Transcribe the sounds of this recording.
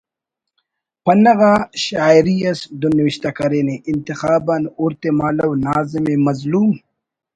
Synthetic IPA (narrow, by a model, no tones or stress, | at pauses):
pɐnɐɣaɕaːiɾijɐsd̪unwiɕt̪ɐkɐɾeːneʔɪnt̪ixaːbanuɾt̪emaːlɐwnaːzimemɐzluːm